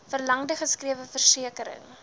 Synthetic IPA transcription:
fərlɐŋdəχəskriəvəfərsiəkəɾə̰ŋ

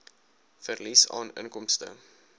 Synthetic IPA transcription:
fərlisɑ̰ːnə̰ŋkɔmstə̰

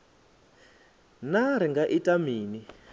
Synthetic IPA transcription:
naɾ̤iŋɡaʔitʼamiːni

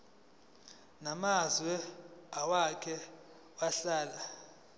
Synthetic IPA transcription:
namazwɛawakʰɛ | waɬaːla

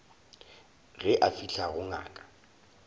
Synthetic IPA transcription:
ɣɛʔafiɬʰaɣʊŋa̰ːkʼḁ

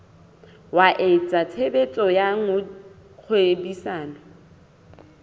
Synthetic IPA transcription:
waʔet͡sʼatʰebet͡sʼɔjaŋʊ | k͡xʰwebisaːnɔ

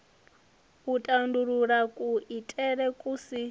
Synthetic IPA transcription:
utʼanduɺuɺakʼuʔitʼɛɺɛkʼusi

